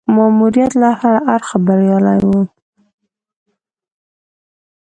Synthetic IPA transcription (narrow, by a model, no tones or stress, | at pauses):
mɑmuɾijat̪lahaɾaʔaɾxabaɾjɑla̰jwə